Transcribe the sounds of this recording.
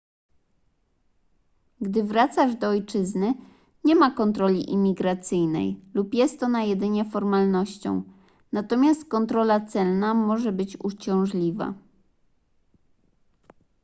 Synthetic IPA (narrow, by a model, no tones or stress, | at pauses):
ɡd̪ɘvɾat̪saʐd̪ɔɔjt͡ʂɘznɘ | ɲɛmakɔnt̪ɾɔlʲḭʔimʲiɡɾat̪sɘjnɛ̰jlupjɛst̪ɔnajɛd̪ɘɲɛfɔɾmalnɔɕt͡ɕɔ̰̃w̃ | nat̪ɔmʲjast̪̚kɔnt̪ɾɔlat̪sɛlnamɔʐɛbɘt͡ɕṵt͡ɕɔ̃w̃ʐlʲiva̰